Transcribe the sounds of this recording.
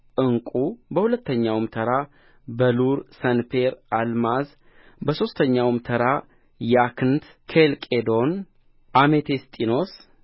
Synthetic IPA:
ʔɨŋkʼubəhulət̪ʰːəɲːawmt̪ʰəɾa | bəluɾsənpeɾalmaz | bəso̞st̪ʰəɲːawmt̪ʰəɾa | jakʰɨnt̪ | kʰelkʼed̪o̞n | ʔamet̪ʰest̪ʼino̞s

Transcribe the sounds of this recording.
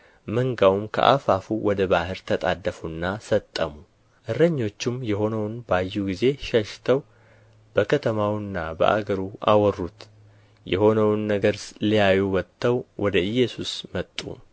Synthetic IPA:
məŋɡawmkʰə̰ʔa̰fafuwɔd̪əbahɨɾt̪ʰət̪ʼad̪ːəfunːasət̪ʼːəmu | ʔɨrːəɲːo̞t͡ʃːɪmjɛɦo̞nəwnbajːuɡize̞ʃəʃt̪ʰəw | b̥əkʰət̪ʰəmawnːabə̰ʔa̰ɡəɾuʔa̰wɔrːut̪ | jɛ̰ho̞nəwnːəɡəɾlijajuwɔt̪ʰʼːəwwʔɔd̪əɨjːɛsusmət̪ʼːṵ

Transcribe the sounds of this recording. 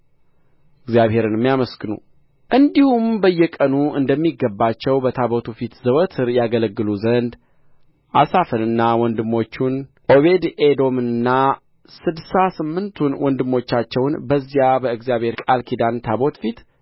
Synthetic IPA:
ɨɡzijaβhe̞ɾɨnmːjaməskɨnṵ | ʔɨnd̪ihumbəjːɛkʼənuɨnd̪əmːiɡːəbːat͡ʃːɛwbət̪ʰabo̞t̪ʰufit̪zəwət̪ʰɨɾjaɡələɡːɨluzənd̪ | ʔasafənɨnːawɔnd̪ɨmːo̞t͡ʃːun | ʔo̞βe̞d̪ed̪o̞mɨnːa | sɨd̪sasɨmːɨnt̪ʰunwɔnd̪ɨmːo̞t͡ʃːat͡ʃːɛwnbəzːijabəɨɡzjaβhe̞ɾkʼalkʰid̪ant̪ʰabo̞t̪fit̪

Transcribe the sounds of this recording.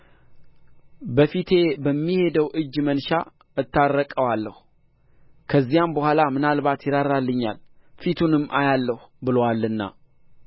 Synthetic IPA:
bəfit̪ʰe̞bəmːihe̞d̪əwʔɨd͡ʒːmənʃa | ɨt̪ːaɾːəkʼəwalːəh | kʰəzːijambəhʷalamɨnalbat̪jɪɾaɾalːɨɲːa̰lfit̪ʰunɨmːʔa̰jalːəhbɨlowalːɨnːa̰

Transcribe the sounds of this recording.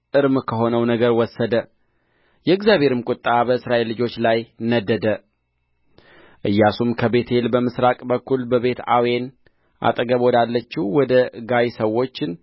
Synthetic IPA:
ʔɨɾmkʰəɦo̞nəwnəɡəɾwɔsːəd̪ə | jɛɨɡzjaβʱe̞ɾɨmkʼʊt̪ʼːabəɨsɾaʔelːɨd͡ʒo̞t͡ʃːlajnəd̪əd̪ə | ʔɨjːasumkʰəbe̞t̪ʰlbəmɨsɾakʼbəkʰːulbəβe̞t̪a̰wen | ʔa̰t̪ʼəɡəβɔd̪alːət͡ʃːiwɔd̪əɡajsəwːo̞t͡ʃːɪn

